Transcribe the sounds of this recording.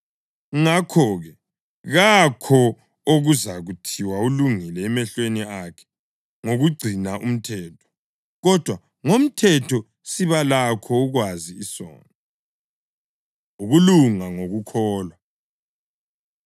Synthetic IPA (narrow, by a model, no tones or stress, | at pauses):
ŋakʰɔːɣɛ | ɣakʰɔ | oɣuzaɣutʰiwauluŋilɛːmɛɬweniakʰɛ̥ | ŋoɣuɡ͡ǀʱinaʔum̩tʰɛːtʰɔ̥ | ɣɔd̥ʱwa | ŋom̩tʰɛtʰɔ | siβalakʰɔːɣwaziːsɔ̰ːna | uɣuluŋaŋoɣukʰɔːlwa